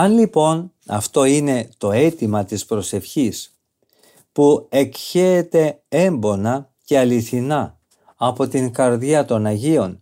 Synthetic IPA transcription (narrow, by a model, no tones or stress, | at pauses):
ɐnlipo̞n | ɐ̰ft̪o̞ine̞t̪o̞e̞t̪imɐt̪ispɾo̞se̞fçis | pue̞kçeːt̪e̞e̞mbo̞nɐce̞ɐliθinɐː | po̞t̪iŋkɐɾðjiɐt̪o̞nɐʝio̞n